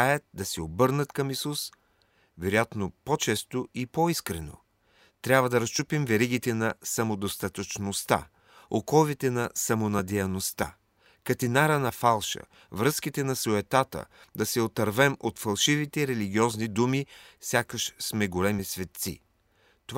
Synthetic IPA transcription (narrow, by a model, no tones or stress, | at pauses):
ajət̪̚d̪ɐsɛobɤɾnət̪kɐmisus | vɛɾojat̪nopot͡ʃɛst̪oipoiskɾɛno̰ | t̪ɾʲabvɐd̪ɐɾɐst͡ʃupimvɛɾiɡ̟it̪ɛnɐsɐmod̪ost̪at̪ət͡ʃnost̪a̰ | okɔvit̪ɛnɐsɐmonɐd̪ɛɐnost̪a̰ | kɐt̪inaɾənɐfalˠʃə̰ | vɾəskit̪ɛnɐsoɛt̪at̪ə̰d̪ɐsɛot̪ɐɾvɛmot̪fɐlˠʃivit̪ɛɾɛliɡʲiɔznid̪umisʲjakəʃsmɛɡolɛmisvɛt̪sḭ | t̪ov